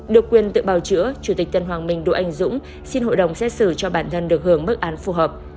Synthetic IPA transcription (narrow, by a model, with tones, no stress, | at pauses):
ɗɨ˨˩əkːwi˨˩ənt̪ɨ̰˧˨ɓaː˨˩wt͡ɕɨ̰˧˥ət͡ɕu˧˩t̪i˨˩k̟̚t̪ə˨˩nɦwaː˨˩ŋmï˨˩ŋ̟ɗo̰˧˨ʔa˧jŋ̟zʊ̰˧˥ŋ͡m | si˧nɦo̰˧˨jɗə˨˩wŋ͡msɛ˦˥t̚sɨ˧˩t͡ɕɔ˧ɓaː˧˩nt̪ʰə˧nɗɨ˨˩ək̚hɨ˧˩əŋɓə˦˥k̚ʔaː˨˦nfu˧˩ɦəː˨˩p̚